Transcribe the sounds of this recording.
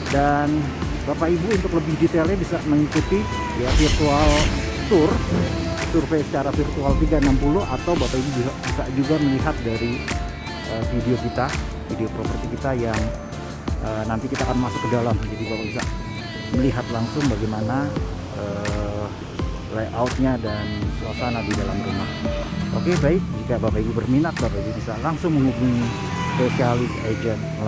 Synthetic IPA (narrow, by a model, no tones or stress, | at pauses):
dan | bapaibuːnt̪ʊkləbɪhdit̪elɲabisaməŋikut̪i | jafirt̪ualsʊrasurfejsət͡ʃaɾafirt̪ualt̪iɡaənampulʊɦat̪awbapaibud͡ʒuab̥isad͡ʒuɡaməliɦat̪̚daɾi | ʔəːfideokit̪a | fideopɾopərtikit̪ajaŋ | ʔəːnant̪ikit̪aːkanmasʊ̥kːədalamd͡ʒadibapabisaʔ | məliɦat̪̚laŋsʊŋbaɡajmana | əː | lakawt̪̚ɲadansəlasanadidalamɾumahʔo̰kebaɪk̚d͡ʒikabapainibərminat̪̚bapainibisalaŋsʊŋməŋubuŋ | posialɪsad͡ʒɛn